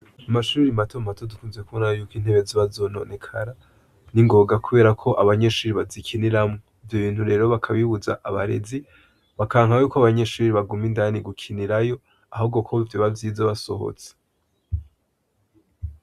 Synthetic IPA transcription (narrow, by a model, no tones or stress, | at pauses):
amaʃuːɾimatomatodukuːnzekunajojuːkiːnhe̞βeziβazo̞no̞̰ne̞kʰaɾa | niŋɡo̞ɡakuβe̞ːɾakʰo̞ʔaβaɲe̞ʃuːɾiβazikʰiniɾamŋoivjo̞βiːn̥huɾe̞ːɾo̞βakʰaβiβuza̰ʔaβaɾe̞̰zi | βakaːŋ̥hajuːkoaβaɲe̞ʃuːɾiβaɡumindaniɡukʰiniɾajo̞ | aɦubɡokʰovjoβavjiːzaβaso̞̰ho̰t͡se̥